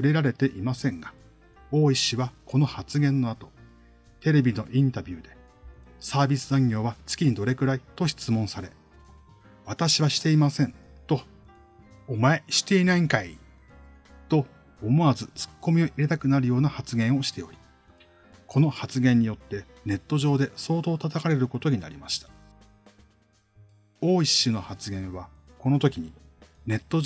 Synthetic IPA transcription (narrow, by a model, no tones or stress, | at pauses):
ɸɯ̟ɾe̞ɾaɾe̞t̪e̞ʔimasẽ̞ŋɡa | o̞ːiɕiβakʰo̞no̞hat͡sɨɡẽ̞nːo̞at̪o̞̥ | t̪e̞ɾe̞bʲino̞ʔĩnt̪abʲɨːd̪e̞ | saːbʲisɨãŋɡʲo̞ːβat͡sɨ̥kʲiɲ̟id̪o̞ɾe̞kɯ̟ɾait̪o̞ɕi̥t͡sɨmõ̞ɰ̃saɾe̞ | βat̪aɕiβaɕi̥t̪e̞imasẽ̞nt̪o̞ː | mae̞ɕi̥t̪e̞inaiŋkai | t̪o̞ː | mo̞azɨt͡sɨ̥kːo̞mʲio̞ʔiɾet̪akɯ̟naɾɯ̟jo̞ːnahat͡sɨɡẽ̞ɰ̃o̞ɕi̥t̪e̞o̞ɾʲi̥ | kʰo̞no̞hat͡sɨɡẽ̞ɲ̟ːijo̞t̪ːe̞ | ne̞t̪ːo̞ʑo̞ːd̪e̞so̞ːt̪o̞ːt̪at̪akaɾe̞ɾɯ̟ko̞t̪o̞ɲ̟ina̰ɾʲimaɕi̥t̪ḁ | o̞ːiɕːɨno̞hat͡sɨɡẽ̞ɰ̃βa | ko̞no̞t̪o̞kʲiɲ̟ine̞t̪ːo̞